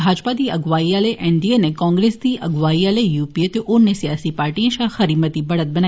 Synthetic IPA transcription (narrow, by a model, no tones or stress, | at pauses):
bʱaːd͡ʒpad̪iːɐɡʋaːialeʔɛ̃ɳɖienekɔ̃ːŋɡɾeːsd̪iɐɡʋaːialejuːpiet̪eʔʊnːesijaːsipaːɾʈiẽʃaːxɐɾiːmət̪ibɐɽət̪̚bɐnaː